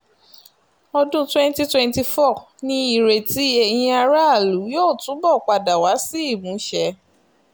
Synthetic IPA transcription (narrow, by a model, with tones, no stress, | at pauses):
ɔ˧dũ˦twɛ̃˦nti˧twɛ̃˧nti˧fɔ˦˨ | nĩ˧i˨ɾe˨ti˨˦e˨j̃ĩ˧a˧ɾa˦a˦˨lu˨˦joː˦˨tũ˨˦bɔ˦˨k͡pa˨da˨wa˨˦si˦i˦˨mũ˨˦ʃɛ˧˦